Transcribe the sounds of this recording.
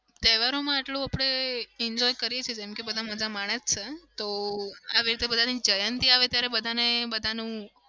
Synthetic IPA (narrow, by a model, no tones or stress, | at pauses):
t̪ɛʋaɾomãaʈlũapɽ̃eɛɲd͡ʒɔjkəɾijet͡ʃʰied͡ʒɛmkebəd̪ʱaməd͡ʒamaɽ̃əst͡ʃʰet̪oa̰ʋiɾit̪ebəd̪ʱanid͡ʒəjənt̪iaʋet̪jaɾebəd̪ʱanebəd̪ʱanũ